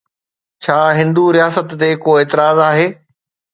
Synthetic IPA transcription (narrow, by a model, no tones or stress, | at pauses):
t͡ɕʰaːɦɪ̃nd̪uɾijaːsət̪ːekoːeːt̪ɪɾaːzaːɦeː